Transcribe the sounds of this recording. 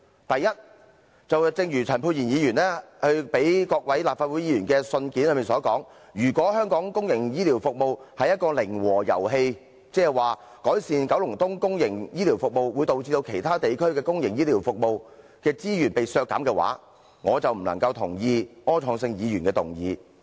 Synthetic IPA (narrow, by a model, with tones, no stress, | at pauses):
t̪ɐ˨jːɐ˥t̚ | t͡sɐ˨wt͡sɪ˧ŋjyː˨˩t͡sʰɐ˨˩npʰuː˧t̚jiː˨˩njiː˨˧jyː˨˩nɛː˥hɵ˧ɥpe˨˥jkɔː˧k̚wɐ˨˥jlaː˨p̚faː˧t̚wu˨˥jiː˨˧jyː˨˩nkɛː˧sɵ˧nkiː˨˥nlə˨˧miː˨˩nsɔː˨˥kɔː˨˥ŋ | jyː˨˩kʷɔː˨˥hœː˥ŋkɔː˨˥ŋkʊ˥ŋjɪ˨˩ŋjiː˥liː˨˩wfʊ˨k̚mo˨whɐ˨jɐ˥t̚kɔː˧lɪ˨˩ŋwɔː˨˩jɐ̰˨˩wɦe˧j | t͡sɛː˥ɛ˨waː˨˩ | kɔː˨˥jsiː˨nkɐ˨˥wlʊ˨˩ŋt̪ʊ˥ŋkʊ˥ŋjɪ˨˩ŋjiː˥liː˨˩wfʊ˨k̚mo˨˧wwu˨˧jt̪o˨wt͡siː˧t̪o˧wkʰe˨˩jt̪ʰaː˥t̪e˨jkʰɵ˥ɥkɛː˧kʊ˥ŋjɪ˨˩ŋjiː˥liː˨˩wfʊ˨k̚mo˨w | kɛː˧t͡siː˥jyː˨˩npe˨jsœː˧kːa̰ː˨˥mkɛː˧wa̰ː˨˥ | ŋɔː˨˧t͡sɐ˨˩wm̩˨˩lɐ˨˩ŋkɐ˧wt̪ʰʊ˨˩ŋjiː˧ŋɔː˥t͡sʰɔː˨˧ŋsɪ˧ŋjiː˨˧ɥyː˨˩nkɛː˧t̪ʊ˨˩ŋjiː˨˧